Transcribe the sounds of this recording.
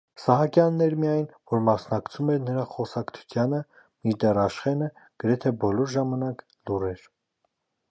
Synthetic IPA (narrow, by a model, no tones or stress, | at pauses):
sɑɦɑkjɑnːɛɾmijɑjnvɔɾmɑsnɑkt͡sʰumɛɾnəɾɑχɔsɑkt͡s̪ʰu̥t̪ʰjɑnə | miɾd̪ɛrɑʃχɛnə | ɡ̥əɾɛt̪ʰɛbɔlɔɾʒɑmɑnɑk | lurɛɾ